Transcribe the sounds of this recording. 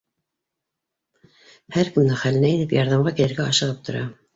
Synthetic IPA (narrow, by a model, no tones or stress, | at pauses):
hæɾkɵmd̪ɘχælɘ̆næinɘpjɑɾðɑmʁɑkilɘ̆ɾɡæɑʃɤ̆ʁɤp̚t̪ʰŏɾɑ̰